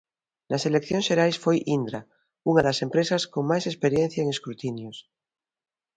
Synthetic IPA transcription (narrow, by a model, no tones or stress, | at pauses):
naselekθjoŋsʃeɾajsfojʔind̪ɾa | uŋaðasẽmpɾesaskoŋmajsespeɾjen̟θjaeŋeskɾut̪injos